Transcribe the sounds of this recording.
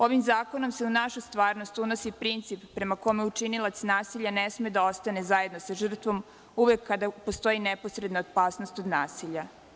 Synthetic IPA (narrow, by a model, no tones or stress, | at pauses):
o̞ʋimzaːko̞no̞mse̞unaʃust̪ʋaːɾnost̪uno̞sipɾint̪sipːɾe̞mako̞mjeut͡ʃinilˠat̪snaːsiʎanesmed̪ao̞st̪ane̞zaje̞d̪no̞saʒr̩t̪ʋo̞m | uʋe̞kːad̪apo̞st̪o̞jinepo̞sɾe̞d̪naot̪̚paːsno̞st̪od̪naːsiʎa